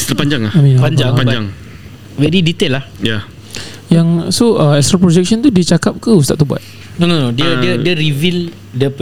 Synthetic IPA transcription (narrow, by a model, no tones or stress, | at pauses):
st̪ɾapaɲd͡ʒaŋlahamĩnpaɲd͡ʒaŋpaɲd͡ʒaŋ | wɛdidit̪elːahja | jaŋsoəɛkst̪ɾapɾod͡ʒɛk̚ʃɔnt̪udit͡ʃakap̚kəust̪a̰ʔt̪uba̰t̪̚ | nonodiəiədiəɾivil | dəp